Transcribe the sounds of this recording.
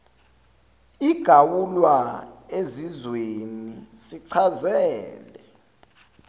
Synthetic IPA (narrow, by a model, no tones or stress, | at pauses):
iɡ̥ʱawulwaezizwenisiǀʰazɛːlɛ